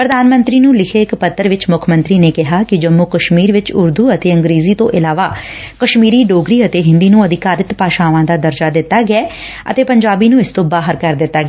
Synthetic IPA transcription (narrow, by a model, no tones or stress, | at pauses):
pɾəd̪aːnmə̃nt̪ɾiːnũːlɪkʰeːɪkpət̪ːəɾʋɪt͡ʃmʊkʰmənt̪ɾiːneːkɪɦaːkɪd͡ʒəmːukəʃmiːɾʋɪt͡ʃʊɾd̪uːət̪eːəŋɡɾeːziːt̪õ̰ːʔɪlaːʋaː | kəʃmiːɾiːɖoːɡɾiːət̪eːɦɪ̃nd̪iːnũːəd̪ɪkaːɾɪt̪paːʃaːʋãːd̪aːd̪əɾd͡ʒaːd̪ɪt̪ːaːɡɪɛː | ə̰t̪eːpəɲd͡ʒaːbiːnũːɪst̪õːbaːɦəɾkəɾd̪ɪt̪ːaːɡ